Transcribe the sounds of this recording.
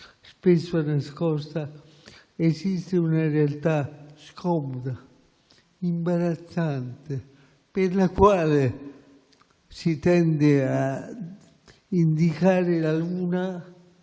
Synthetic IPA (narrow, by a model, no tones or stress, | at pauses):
spesoanaskost̪a | esist̪eunarealt̪askʰomod̪a | imbaɾat͡sant̪e | peɾlakwale | sit̪end̪ea | ind̪ikaɾelaluna